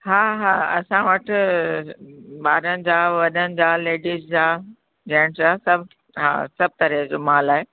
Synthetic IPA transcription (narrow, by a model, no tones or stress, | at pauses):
ɦaːɦaːɐ̰sãʋəʈʰ | ɓaːɾənɪ̆d͡ʑaːʋɐɗənɪ̆d͡ʑaːleːɖiːsd͡ʑaː | d͡ʑɐ̃ːɪɽ̃d͡ʑaːsɐbʱ | ɦa̰ːsɐb̚ʱt̪ɐɾed͡ʑoːmaːlaːɦeː